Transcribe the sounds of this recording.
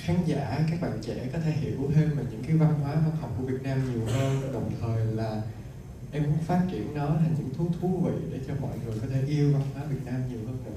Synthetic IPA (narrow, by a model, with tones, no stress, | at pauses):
xaː˨˦ŋza̰ː˧˨kaː˦˥k̚ɓa̰ː˧˨nt͡ɕɛ̰˧˥kɔ˨˦t̪ʰe˧˩hḭ˧˩əwṵ˧˦t̪ʰe˧mma˨˩ɲɨ̰˧˥ŋkaː˨˦jva˧nɦwaː˨˦vaː˧t̚hə˨˩wŋ͡mku˧˩əvi˨˩ət̚naː˧mɲi˨˩əwhəː˧nə˧˩˦ɗə˨˩wŋ͡mt̪ʰəː˨˩jlaː˨˩ | ʔɛ˧mkʊ̰˧˥ŋ͡mfaː˦˥t̚t͡ɕḭ˧˩ənːɔ˨˦t̪ʰa˨˩ŋ̟ɲɨ̰˧˥ŋt̪ʰu˨˦t̪ʰu˨˦vḭ˧˨ɗe˧˩t͡ɕɔ˧mɔ̰˧˨jŋɨ˨˩əjkɔ˨˦t̪ʰe˧˩ʔi˧əwva˧nhwaː˨˦vi˨˩ət̚naː˧mɲi˨˩əwhəː˧nə̰˨